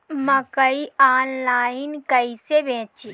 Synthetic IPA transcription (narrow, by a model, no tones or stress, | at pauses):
məkəiaːnlaːɪnkɐisebʱẽːt͡ʃi